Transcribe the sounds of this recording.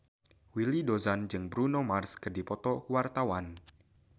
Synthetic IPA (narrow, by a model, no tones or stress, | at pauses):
wilidozand͡ʒɨŋbɾunomarskərdipɔt̪ɔkuwart̪awan